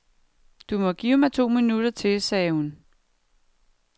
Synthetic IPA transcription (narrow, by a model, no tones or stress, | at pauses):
d̥umɒ̽ɡ̥iːʊmɑ̈ɪt͡sʰo̝̰ːminud̥ɐt͡sʰe̝lsɛːhun